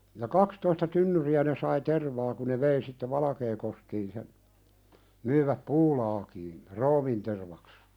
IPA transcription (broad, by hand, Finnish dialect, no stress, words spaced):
jɑ kɑkstoistɑ tynːyriæ ne sɑi terʋɑː ku ne ʋei sitːe ʋɑlɑkeːkoskiːn sen myĭʋæp puːlɑːkiːn roːminterʋɑks